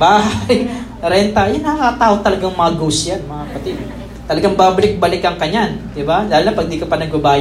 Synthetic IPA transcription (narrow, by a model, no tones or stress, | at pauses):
baɦaj | ɾɛnt̪ajanakat̪aut̪alaɡaŋmaɡusianmapat̪i | t̪alaɡaŋbablɪk̚balɪkjaŋkaɲand̪ibad͡ʒalilapaɡ̚d̪ikəpadaɡuabaj